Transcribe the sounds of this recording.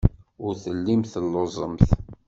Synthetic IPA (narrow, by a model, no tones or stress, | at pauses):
ʊɾθəlːimθəlːozˤəmθ